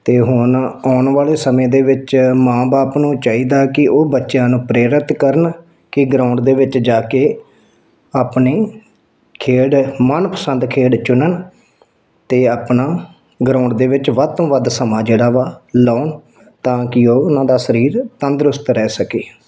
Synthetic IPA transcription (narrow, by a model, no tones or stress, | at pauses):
t̪eːɦʊnɔːɳʋaːleːsəmẽːd̪eːʋɪt͡ʃmãːbaːpnũːt͡ʃaːiːd̪aːkɪʔoːbətːʃjãːnũːpɾeːɾɪt̪kəɾən | kɪɡɾãːʊɳɖd̪eːʋɪt͡ʃd͡ʒaːkeː | aːpneː | kʰeːɽmənpəsənd̪kʰeːɖt͡ʃʊnən | t̪eːaːpnaː | ɡɾãːʊɳɖd̪eːʋɪt͡ʃʋəd̪̚t̪õːʋəd̪səmaːd͡ʒeːɽaːʋaːlaːn | t̪ãːkɪoːʊnãːd̪aːsəɾiːɾt̪ənd̪ɾʊst̪ɾɛːsəkeː